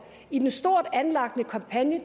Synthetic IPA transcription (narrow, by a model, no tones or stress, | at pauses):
id̥ensd̥o̝ɐ̰d̥ænlɑ̈ɡ̥nəkʰɑ̈mpʰænjə